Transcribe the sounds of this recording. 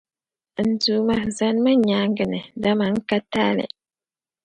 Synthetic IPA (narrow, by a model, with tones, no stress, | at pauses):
n̩˨duː˨ma˦za˨n˦ma˦ɲa˦ŋ˦ɡɨ˨nɨ˨da˦ma˨ŋ̩˦ka˦taː˦lɛ̰˨